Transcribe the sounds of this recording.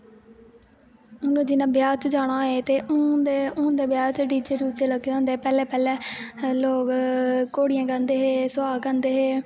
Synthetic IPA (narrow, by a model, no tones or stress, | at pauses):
ʊnõːd͡ʒɪnãːbɪjaːt͡ʃd͡ʒaːɽ̃aːeːt̪eːʔʊd̪eʊːd̪eːbjaːt͡ʃɖiːd͡ʒeːɾuːt͡ʃeːləɡeõːnd̪eːpɛːlɛːpɛːlɛːloːkkːoːɽɪjãːkə̃nd̪eːɦeːsʊaːkə̃nd̪eːɦeː